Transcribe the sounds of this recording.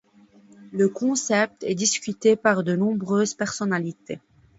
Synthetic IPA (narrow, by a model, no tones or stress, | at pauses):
ləkɔ̃sɛp̚t̪ɛ̰d̪iskʲyt̪epaʁd̪ənɔ̃bʁøːzpɛʁsɔnalit̪ʰe